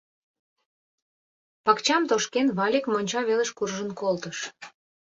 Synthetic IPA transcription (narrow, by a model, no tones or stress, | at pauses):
pɑkt͡ɕɑmt̪oʃkenβɑlʲekmonʲt͡ɕɑβeleʃkurʒənkolt̪əʃ